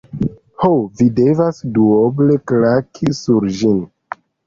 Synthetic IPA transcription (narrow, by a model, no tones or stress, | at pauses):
howvide̞vasduoble̞klakʰisuɾd͡ʒin